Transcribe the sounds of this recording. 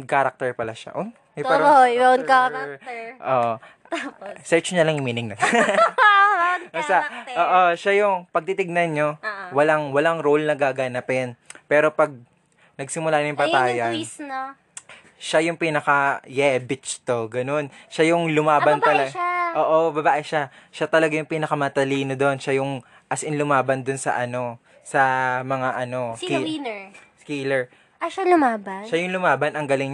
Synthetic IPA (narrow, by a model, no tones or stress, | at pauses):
kaɾɐk̚t̪ɛɹpɐlaʃa̰ʔon | ɛɛɾbɐnka | ʔoʔ | sɛɹt͡ʃɲɐlɐŋjʊmiːnɪŋnɐ | ɐsaʔoːʔoʃajʊŋpɐɡ̚t̪it̪ɪɡ̚nɐnɲowɐlaŋwɐlaŋɾolnɐɡaːɡanapɛnpɛːɾo̞pɐɡ̚ | nɐɡ̚sɪmʊlaɲojʊŋpɐaːjɐnsn | ʃajʊŋpiːnɐkɐjɛbɪt͡ʃt̪o̞ɡɐno̞nʃajʊŋlʊmaːbɐnt̪ɐlɐʔoːʔobɐbaːʔɛʃaʃat̪ɐlɐɡajʊŋpiːnɐkɐmɐt̪ɐliːnod̪o̞nʃajʊŋ | ʔɐsʔɪnlʊmaːbɐnd̪ʊnsɐ̰ʔɐno̞ | sɐmɐŋaʔɐno̞ | skilɛɹ | ɐʃalʊmaːbɐnʃajʊŋlʊmaːbɐnɐŋɡɐlɪŋɲ